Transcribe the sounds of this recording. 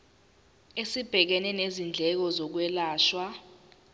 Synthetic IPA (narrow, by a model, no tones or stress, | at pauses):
esib̥ʱɛk̬ɛnɛnezind͡ɮʱɛk̬ɔzɔk̬wɛlaːʃwa